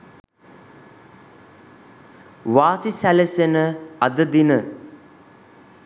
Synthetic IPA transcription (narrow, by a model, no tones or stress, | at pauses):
ʋaːsisælesenəɐd̪əd̪inə